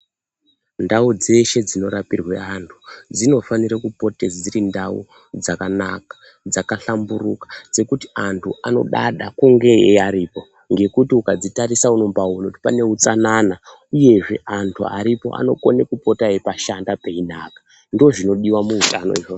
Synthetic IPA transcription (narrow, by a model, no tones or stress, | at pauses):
ndaud͡ze̞ʃe̞d͡zino̞ɾapirwḛantʰu̥d͡zino̞faniɾakupo̞ted͡ziɾindaṵ | d͡zakanakḁ | d͡zakaɬamburukḁd͡ze̞kutiantʰuano̞̰ɗa̰ɗakuŋɡe̞eaɾiːpo̞ | ŋɡe̞kutiukad͡zitaɾisauno̞mbaunotipane̞ut͡sanana | uje̞ʐe̞̰antʰua̰ɾipo̞̰ʔa̰no̞ko̞ne̞kupo̞taepaʃandape̞inakḁ | ndo̞ʐino̞ɗiwamuutano̞̰iʐo